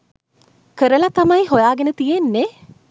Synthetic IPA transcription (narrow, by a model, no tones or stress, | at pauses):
kəɾəlɐt̪amɐjɦojaːɡenət̪ijenːe